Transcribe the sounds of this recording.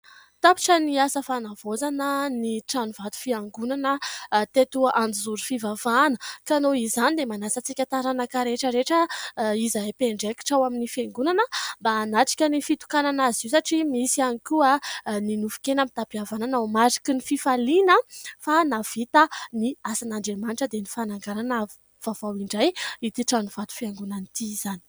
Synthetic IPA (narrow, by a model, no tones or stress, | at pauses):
t̪api̥ʈ͡ʂəniasəfanav̥ozanəniʈ͡ʂanuv̥at̪u̥fiaŋɡunanət̪et̪uʔand͡zizuɾufivav̥anəkanoizanid̪emanasət͡sikʲət̪aɾanakaɾeʈ͡ʂəɾeʈ͡ʂəizaepeɳɖ͡ʐeki̥ʈ͡ʂawaminifeŋɡunanəbaːnaʈ͡ʂi̥kʲənifit̪u̥kananaziwsaʈ͡ʂimisianikuaninufu̥kenamit̪apiavananamaɾi̥kinififalinəfanav̥it̪əniasanaɳɖ͡ʐemaniʈ͡ʂəd̪enifanaŋɡaɾana | v̥avawiɳɖ͡ʐajit̪iʈ͡ʂanuv̥at̪u̥fieŋɡunanit̪iiz̥ani̥